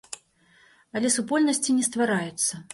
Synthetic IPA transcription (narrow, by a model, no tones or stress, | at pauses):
ɐlʲɛsupɔlʲnɐsʲt͡sʲinʲɛs̬t̪vaɾajɛt̪sːɐ